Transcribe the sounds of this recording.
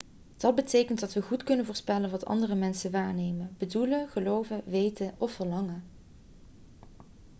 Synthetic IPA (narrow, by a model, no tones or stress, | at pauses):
d̥ɑd̚bətejkənt̚dɑtʋəχutkɵnənvʊːɹspɛlənʋɑtɑ̰ndərəmɛnsənʋaːɹnejmənbəduləχəlowvəʋejtənʔɔfəɹlɑŋə